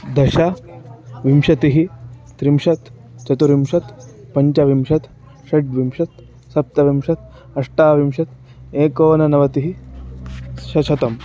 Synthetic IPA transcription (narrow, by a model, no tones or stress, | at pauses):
d̪ɐʃa | ʋimʃɐt̪iɦit̪ɾimʃɐt̪ | t͡ʃɐt̪uɾimʃɐt̪pɐɲt͡ʃɐʋimʃɐt̪ | ʃɐʈʋimʃɐt̪ | sɐp̚t̪ɐʋimʃɐt̪̚ | ɐʂʈaːʋimʃɐt̪ | eːkoːnɐnɐʋɐt̪iɦi | ʃɐt͡ʃʰɐt̪ɐm